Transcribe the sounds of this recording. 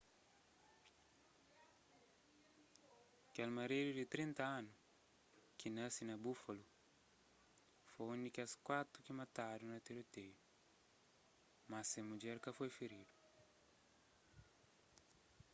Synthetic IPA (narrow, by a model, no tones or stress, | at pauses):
kalmaɾeɾidit̪ɾint̪aanu | kinəsinabufolu | fonikʲaskwat̪ukimat̪adunat̪eɾot̪eju | masemud͡ʒɛɾkafojfeɾidu̥